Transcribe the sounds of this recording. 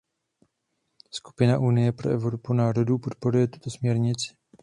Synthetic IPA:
sku̥pɪnaʔunɪjɛpɾo̞ʔɛvɾo̞punaːɾo̞dupo̞t̪̚po̞ɾujɛt̪u̥t̪o̞smɲɛɾɲɪt͡sɪ̥

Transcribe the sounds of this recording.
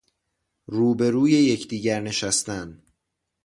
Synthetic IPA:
ruːbe̞ɾuːje̞je̞cʰd̪iːɟæɾne̞ʃæst̪æn

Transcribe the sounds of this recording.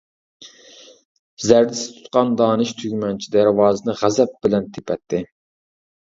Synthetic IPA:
zæɾd̪ɪsɪ̥t̪ʰu̥t̪̚qɑnd̪ɑːnɨʃt̪ʰyɡʲmɛnt͡ʃʰid̪æɾwɑːzɨnɨʁæzɛp̚b̥ɪlɛnt̪ʰe̥pʰɛt̪ʰːɪ

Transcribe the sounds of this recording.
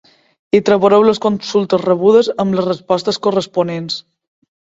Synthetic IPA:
it̪ɾəβoɾɛwləskonsulˠt̪əzrəβ̞uð̞əzəmləzrəspɔst̪əskurəspunens

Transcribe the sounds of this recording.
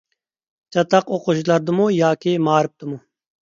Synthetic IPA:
t͡ɕɐt̪ɐqoquɕlɐɾd̪umujaːkeːmaːɾp̚t̪umu

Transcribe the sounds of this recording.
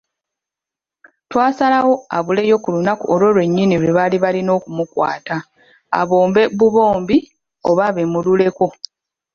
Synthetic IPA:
twaːsalawo̞a̰βule̞jo̞kulunakuolwo̞lwe̞ɲːinilweβaliβalino̞ːkumukwa̰ːta | a̰βo̞ːmbe̞βuβo̞ːmbi | o̞βaβemulule̞ko̞

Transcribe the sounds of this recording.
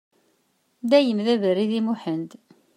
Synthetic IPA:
d̪æjəmðævəɾiðimuħənd̪

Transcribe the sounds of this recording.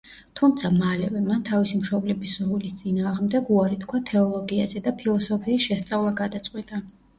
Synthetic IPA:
t̪ʰumt̪sʰamalɛvɛmant̪ʰavisimʃɔblɛbisɾulist̪sʼinaːʁmd̪ɛɡuaɾit̪kʰwat̪ʰɛɔlˠɔɡiazɛd̪apʰilˠɔsɔpʰiːsʃɛst̪sʼavlˠaɡad̪at̪sʼqʼwit̪ʼa

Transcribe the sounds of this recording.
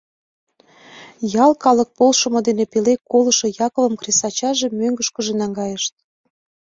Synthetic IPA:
jɑlkɑlək̚polʃə̆mod̪enepelekːolə̆ʃŏjɑkŏvə̆mkresɑt͡ɕɑʒe̽møŋɡəʃkə̆ʒenɑŋɡɑjəʃt̪̚

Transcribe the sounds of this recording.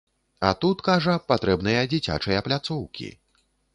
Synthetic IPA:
a̰t̪ut̪kaʐɐpat̪ɾɛbnɨjɐd͡zʲit͡sʲa̰t͡ʂɨjɐplʲat̪sɔwkʲḭ

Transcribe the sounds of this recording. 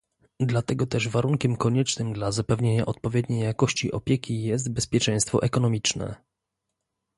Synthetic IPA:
d̪lat̪ɛɡɔt̪ɛʐvaɾuŋkʲɛmkɔɲɛt͡ʂnɘmd̪lazapɛvɲeɲa̰ʔɔt̪̚pɔvʲjed̪̚ɲejːakɔɕt͡ɕiʔɔpʲjɛkʲijɛst̪̚bɛspʲjɛt͡ʂɛ̃j̃st̪fɔ̰ʔɛkɔnɔmʲit͡ʂnɛ̰

